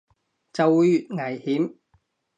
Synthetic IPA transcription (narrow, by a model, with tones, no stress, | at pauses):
t͡sɐ˨wuː˨˧jy˨t̚ŋɐ˨˩jhiː˨˥m